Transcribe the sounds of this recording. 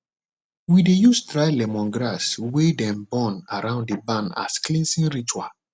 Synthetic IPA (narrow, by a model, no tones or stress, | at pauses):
widejustɹaɪlɛmɔ̃nɡɹaswedɛ̃mbɔ̃naɾãʊ̃nddebãna̰sklĩnsĩnɹit͡ʃua̰